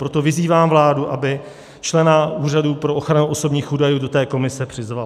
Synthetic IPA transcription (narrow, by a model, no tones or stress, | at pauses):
pɾo̞t̪o̞vɪziːvaːmvlaːduʔabɪ | t͡ʃlɛnaʔuːraduːpɾo̞ʔo̞xɾanuʔo̞so̞bɲiːxʔuːdajuːdo̞t̪ɛːko̞mɪsɛpr̥ɪzval